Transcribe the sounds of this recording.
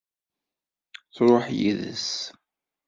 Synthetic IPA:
θɾˤoħjiðə̰s

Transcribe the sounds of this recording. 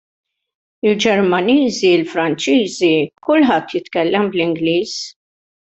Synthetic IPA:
ɪld͡ʒɛɾmɐniːziɪlfɾɐnt͡ʃiːzikʊlːħɐt̪ːjɪt̪kɛlːɛmblɪŋɡliːs

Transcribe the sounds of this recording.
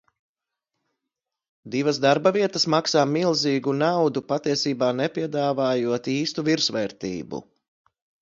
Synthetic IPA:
d̪ivɐzd̪aɾbɐviɛt̪ɐsmaksaːmilˠziːɡunawd̪upat̪iɛsiːbaːnɛpiɛd̪aːvaːjuɔt̪iːst̪uviɾsʋɛːɾt̪ḭːbṵ

